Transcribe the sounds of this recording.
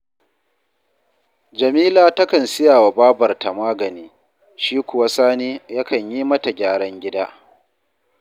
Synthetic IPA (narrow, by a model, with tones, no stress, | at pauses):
d͡ʒɐ˨miː˦laː˨tɐ˦kɐ˨nsɪ˦jaː˨wa˨baː˦bɐ˨rta˨maː˦ɡɐ˨niː˦ | ʃiː˦kʷʊ˨wa˦saː˦niː˦ja˦kɐ˨ɲjiː˦mɐ˦ta˨ɡʲaː˦ɽɐ˦ŋɡʲɪ˦daː˦